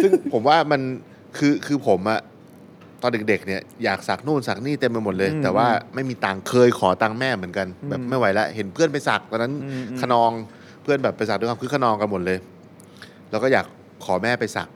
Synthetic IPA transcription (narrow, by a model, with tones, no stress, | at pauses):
sɯ˥˩ŋpʰo˩˦mwaː˥˩ma˧n | kʰɯː˧kʰɯː˧pʰo˩˦mʔa˨˩ʔ | t̪ɔː˧nde˨˩k̚de˨˩k̚ni˥˩ɐjaː˨˩k̚sa˨˩k̚nuː˥˩nsa˨˩k̚niː˥˩t̪e˧mka˧nmo˨˩t̪̚lɤː˧jt̪ɛː˨˩waː˥˩ma˥˩jmiː˧t̪aː˧ŋkʰɤː˧jkʰɔː˩˦t̪aː˧ŋmɛː˥˩mɯ˩˦ənka˧nbɛː˨˩p̚ma˥˩jwa˦˥jlɛ˦˥ʔhe˩˦npʰɯ˥˩ənp̬a˧jsa˨˩k̚t̪ʰa˧na˦˥nkʰa˧nɔː˧ŋ | pʰɯ˥˩ənbɛː˨˩pːjsa˨˩k̚dwa˧˥˩kʰɯː˧˩kʰa˧nɔː˧ŋka˧nmo˨˩t̪̚lɤː˧j | lɛː˦˥wkɔ˥˩jaː˨˩kʰː | ɔː˩˦mɛː˥˩pa˧jsa̰˨˩k̚